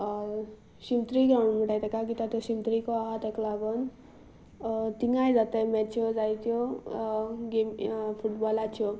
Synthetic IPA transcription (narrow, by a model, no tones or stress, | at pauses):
simt̪ɾiɡɾawɳm̤uʈajt̪akakit̪at̪jɔsimt̪ɾikɔaɦat̪eklaɡɔn | t̪iŋajd͡zat̪emɛt͡ʃjod͡zajt̪jo | ɡempʰuʈbɔlat͡ʃʰjo